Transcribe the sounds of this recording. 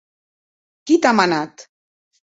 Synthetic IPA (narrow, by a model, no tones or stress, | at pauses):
kit̪amanat̪